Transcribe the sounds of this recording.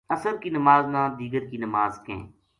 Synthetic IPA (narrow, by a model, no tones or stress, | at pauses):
ɐsəɾkinɐmaːznãːd̪iːɡəɾkinɐmaːzkḛ̃ː